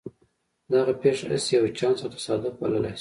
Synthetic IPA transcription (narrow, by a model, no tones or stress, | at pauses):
d̪ɑɣapeʂaa̰sjawet͡ʃɑnsat̪ḁsɑd̪ʊq̚ba̰ləlajs